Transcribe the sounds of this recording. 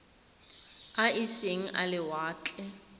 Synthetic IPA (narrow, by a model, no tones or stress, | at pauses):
aiseŋ̩ʔalɪwaːt͡ɬʼɛ